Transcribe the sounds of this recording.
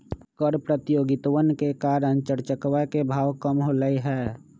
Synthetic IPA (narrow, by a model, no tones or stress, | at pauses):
kɔɾpɾət̪joːɡɪt̪wənkekaːɾə̃nt͡ʃəɾt͡ʃəkwakebʱaːwkəmɦoləiɦɛː